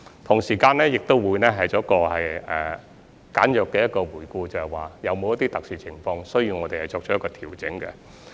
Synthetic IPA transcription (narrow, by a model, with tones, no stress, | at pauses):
t̪ʰʊ˨˩ŋsiː˨˩kaː˧nɛː˥jɪ˨k̚t̪o˥wwuː˨˧jnɛː˥ɦɐ˨jt͡sɔː˨˥kɔː˧hɐ˨jɛ˨˩ | kaː˨˥njœː˨kːɛː˧jɐ˥t̚kɔː˧wuː˨˩jkuː˧t͡sɐ˨hɐ˨jwaː˨˩jɐ˨˧wmo˨˧wjɐ˥t̪̬iː˥t̪ɐ˨k̚siː˨t͡sʰɪ˨˩ŋfɔː˧ŋsɵ˥ɥji˧wŋɔː˨˧t̪e˨hɐ˨˩jt͡sɔː˧k̚ʰːjɐ˥kːɔː˧t̪ʰiː˨˩wt͡sɪ˨˥ŋkɛ̰˧